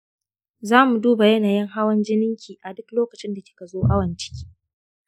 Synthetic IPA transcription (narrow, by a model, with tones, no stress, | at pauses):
zaː˦mu˨duː˦ba˨jɐ˦naː˨jɪ˦ŋɦa˦wɐ˦nd͡ʒɪ˦nɪ˦ŋkʲiː˨ʔa˨dʊ˦kloː˦kɐ˨t͡ʃɪ˦nda˨kʲɪ̥˦ka˨zoː˦ʔa˦wɐ˨nt͡ʃɪ̥˦kʲi̥ː˦